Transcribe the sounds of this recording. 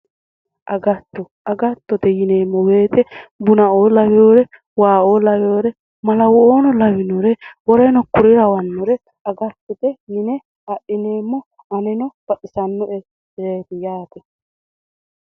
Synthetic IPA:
ʔɐɡɐt̪ːɔ | ɐɡɐt̪ːɔt̪ɛjɪneːmːɔwe̞ːt̪ɛbʊnɐʔoːlɐwɛoːɾɛ | waːʔoːlɐwjoːɾɛ | mɐlɐwɔoːnɔlɐwɪnɔɾɛwɔɾɛnɔkʊɾɪɾɐwɐnːɔɾɛ | ɐɡɐt̪ːɛt̪ɛjɪnɛ | ɐʔɪneːmːɔ | ɐnɛnɔb̥ɐʔɪsɐnːɔʔɛ | ɾeːt̪ɪjaːt̪ɛ

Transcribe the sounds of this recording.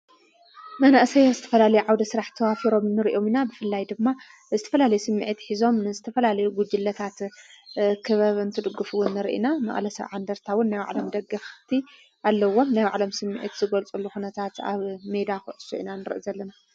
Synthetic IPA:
mɐnaʔsɐjozɨt̪ʰɐ̥fɐlalɐjuʕawd̪ɐsɨɾaħt̪ʰɐwafiɾo̞mnɨɾiʔo̞minabɨfɨlːajd̪ɨmːa | zɨt̪ʰɐ̥fɐlalɐjusɨmːiʕit̪ħizo̞mnɨzɨt̪ʰɐfɐlalɐjuɡud͡ʒɨlːɐt̪ʰat̪ | kʰɨβaβɐnt̪ʰɨd̪ɨɡːufɨwʊnːɨɾʔḭnamɐ̰χʼlɐsɐ̰βʕa̰nd̪ɐɾt̪ʰawʊnːajwa̰ʕlo̞md̪ɐɡːɐft̪ʰi | ʔalːɐwːo̞mnajwa̰ʕlo̞msɨmːḭʕḭt̪z̥ɨɡɐlt͡sʼulːuxunɐt̪ʰat̪a̰βmed̪axɨ̰ʔɨsuʔḭnanɨɾɨ̰ʔzɐlːɐna

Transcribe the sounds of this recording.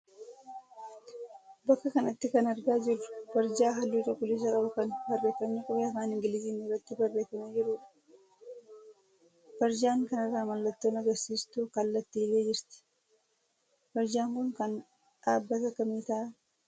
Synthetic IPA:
bɐkːɐkɐnɐt̪ːɪkɐnɐɾɡaːd͡ʒɪɾʊ̥b̥ɐɾd͡ʒaːɦɐlːuːtɐkʊliːs̬ɐkʼɐbɐkɐnbɐrːe̞ːkɐmnukʼɐbeɐfaːnɪŋɡɪlɪziːnɪrːɐt̪ːɪbɐrːe̞ːkɐmɐd͡ʒɪɾʊːᶑɐ̥ | b̥ɐɾd͡ʒaːŋkɐnɐrːaːmɐlːɐt̪ːoːnɐɡɐɾsiːst̪ʊkɐlːɐt̪ːiːleːd͡ʒɪɾt̪ɪ̥ | b̥ɐɾd͡ʒaːŋkʊŋkɐn | ᶑaːbːɐt̪ɐkɐmiːt̪ɐ

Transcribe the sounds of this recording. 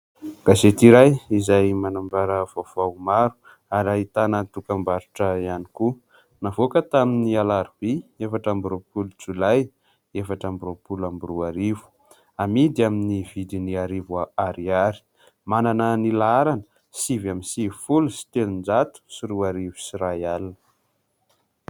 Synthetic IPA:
ɡ̥aset̪iɾajizajmanambaɾəv̥ov̥awmaɾu̥ | aɾait̪anət̪ukambaɾuʈ͡ʂəianiku | navokət̪aminialaɾb̥iefaʈ͡ʂambɾopulut͡sulaj | efaʈ͡ʂambɾopulambuɾuaɾivu̥ | amid̪iaminiv̥id̪iniaɾivwaaɾiaɾi̥ | mananənilaaɾanə̥ | sivamisifulusi̥t̪enind͡ʒat̪u̥siɾuaɾivi̥siɾajalnə

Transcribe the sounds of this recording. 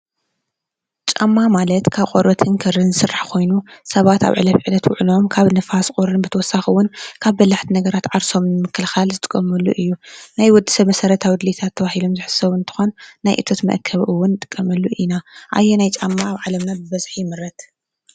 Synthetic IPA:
t͡ʃʼa̰mːamalɐt̪kʰaβqʼoɾβɐt̪ʰɨŋkʰɐɾɨnzɨsɨraħkʰo̞jnusɐβat̪a̰βʕɨlɐfʕɨlɐt̪wʊ̰ʕlo̞mkʰaβnɨfaskʼoɾɨnbɨt̪ʰɐwɔsːaxɨwʊnkʰaβbɐzaħt̪ʰinɐɡɐɾat̪ʕaɾso̞mnɨmɨkʰːɨlxalzɨt̪ʼɨ̥kʼːɐmɐlːṵʔɨjːunajwɔd̪ːi̥sɐmɐsɐɾɐt̪ʰawid̪let̪ʰat̪ʰːɐβahilo̞mzɨħɨ̥sɐβɨnt̪ʰɨ̥xo̞nːajʔɨ̰t̪ʰot̪mɐ̰ʔkʰɐβʔɨwːʊnt̪ʼɨ̥kʼːɐmɐlːuʔinaʔa̰jːenajt͡ʃʼamːaːβʕalɐmnabɨβɐzħijɪmɨɾɐt̪

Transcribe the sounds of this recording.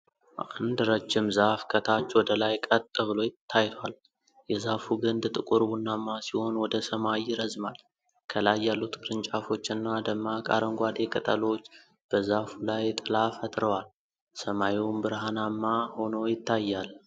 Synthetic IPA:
ʔa̰nd̪ɾəd͡ʒːɪmzafkʰət̪ʰat͡ʃːwɔd̪əlajkʼət̪ʼːəβɨlo̞jɪt̪ʰːajt̪ʰwal | jɛzafuɡɨnd̪t̪ʼɨkʼuɾbunːamːasiho̞nwɔd̪əsəmajɪɾəzmal | kʰəlajːalːut̪kɾɨnt͡ʃʼafo̞t͡ʃːɨnːad̪əmːakʼa̰ɾəŋɡʷad̪e̞kʼət̪ʼəlo̞t͡ʃː | b̥əzafulajt̪ʼɨlafət̪ʼɾəwal | səmajiwmbɨɾɦanamːaho̞nəwjɪt̪ːajːal

